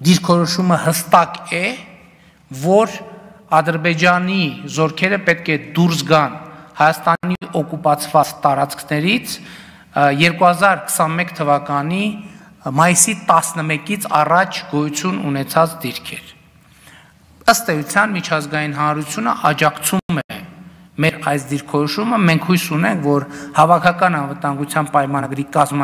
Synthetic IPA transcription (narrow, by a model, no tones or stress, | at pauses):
d̪iɾkʰɔɾɔʃuməhəst̪ɑkɛ | vɔɾ | ɑd̪əɾbɛd͡ʒɑnizɔɾkʰɛɾəpɛt̪̚kʰɛd̪uɾs̬ɡɑnhɑjɑst̪ɑniʔɔkupɑt͡sʰvɑt͡st̪ɑɾɑt͡skʰnɛɾit͡sʰ | jɛɾkuhɑzɑɾkʰə̥sɑnmɛkt̪ʰəvɑkɑni | mɑjisit̪ɑsnəmɛkit͡sʰɑ̰rɑt͡ʃʰɡɔjut͡sʰjununɛt͡sʰɑt͡sd̪iɾkʰɛɾ | əst̪ɛjut͡sʰjɑnmit͡ʃʰɑzɡɑjinɦɑnɾut͡sʰjunə̰ʔɑd͡ʒɑkʰt͡sʰumɛ | mɛɾɑjs̬d̪iɾkʰɔɾɔʃuməmɛŋkʰhujsunɛŋkʰvɔɾhɑvɑkʰɑkɑnɑnvət̪ɑŋɡut͡sʰjɑnpɑjmɑɡɾikɑzm